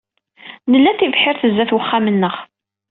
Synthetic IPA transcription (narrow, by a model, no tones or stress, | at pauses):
nəlːæθivħɪɾθəzːæθwəχːamənːəʁ